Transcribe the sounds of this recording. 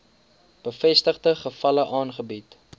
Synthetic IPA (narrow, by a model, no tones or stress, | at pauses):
b̥əfɛstəχdəχəfɐləʔɑːnχəbit